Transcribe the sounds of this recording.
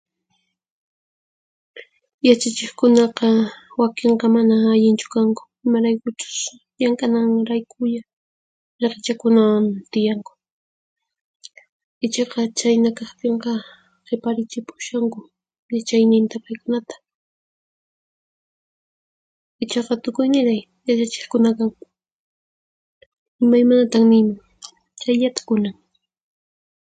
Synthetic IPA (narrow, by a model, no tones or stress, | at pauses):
jat͡ʃat͡ʃɪχkʊnɑqɑwakeɴqɑmanaːʎɪnt͡ʃʊ̥kaŋkʊ̥ | ɪmaɾajkʊt͡ʃʊ̥s | jaŋkanaŋɾajkʰʊʎa | ɾeqt͡ʃakʊnawamt̪ɪjaŋkʊ̥ | ɪt͡ʃɑqɑt͡ʃajnakɑχt̪eɴqɑ | qɪpaɾɪt͡ʃɪpʊ̥ʃaŋkʊ | jat͡ʃajnɪnt̪apajkʊnat̪ḁ | ɪt͡ʃɑqɑt̪ʊkʊjnɪɾaj | jat͡ʃat͡ʃɪ̥χkʊnakaŋ | ɪmajmanat̪aχnɪjmaŋ | t͡ʃajʎat̪ḁkʊnam